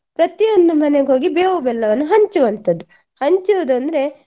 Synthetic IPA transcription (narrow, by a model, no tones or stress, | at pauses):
pɾɐt̪ijond̪umɐneɡeɦo̞ːɡibeːʋubɛlːɐʋɐnːuɦɐɲt͡ʃuʋɐnt̪ʰɐd̪ːu | hɐɲt͡ʃiod̪uɐnd̪ɐɾe̞